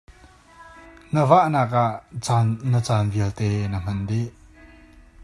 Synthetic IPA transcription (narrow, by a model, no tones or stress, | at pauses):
ŋəvaʔnaːk̚ʔaʔt͡snət͡saːnviəlt̪ɛːnəm̥ɐndiʔ